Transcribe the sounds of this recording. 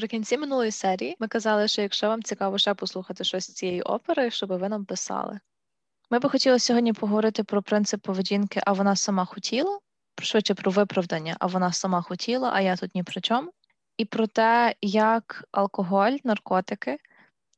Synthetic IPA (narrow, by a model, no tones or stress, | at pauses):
pɾɪkʲinʲt͡sʲimɪnulˠɔjisɛɾʲijimɪkɐzɑlˠɪʃt͡ʃɔjɐkʃt͡ʃɛʋɑmt͡sʲikɑʋɔʃɛpɔslˠuxɐt̪ɪʃt͡ʃɔsʲt͡sʲijɛjiʔɔ̰peɾɐʃt͡ʃɔbɪʋɪnɐmpɪsɑ̰lˠɪ̰ | mɪbɪxɔtʲilˠɐsʲɔɦɔdʲnʲipʰɔɦɔʋɔɾɪt̪ɪpɾɔpɾɪnt̪sɪpːɔʋedʲinkɪʔɐʋɔnɑsɐmɑxɔtʲʰilˠɐ | pʃʋɪt͡ʃːɛpɾɔʋɪpɾɐʋd̪ɐnʲːɐ̰ʔɐ̰ʋɔnɑsɐmɑxɔtʲʰilˠɐʔɐjat̪ut̪nʲipɾɪt͡ʃʲɔmʊ | ipɾɔt̪ɛjɐkɐ̰lˠkɔɦɔlʲnɐrkɔt̪ɪkɪ